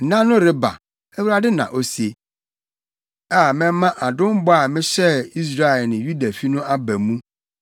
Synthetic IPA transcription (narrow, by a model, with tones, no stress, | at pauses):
nã˦nʊ̃˦ɾɪ˦ba̰˨ | ɛ˦wu˦ɾa˦dɪ˦nã̰˨ʔo˦si˨e˨ | a˦˨mɛ̃˦mã˦ʔa˨dʊ̃˦m˦bɔ˦a˨mɪ̃˦ɕɛ˦i˦s̬ɾa˦ɛ˨lnɪ̃˨ju˦da˨fi˦nʊ̃˦a˦bæ˨mũ˦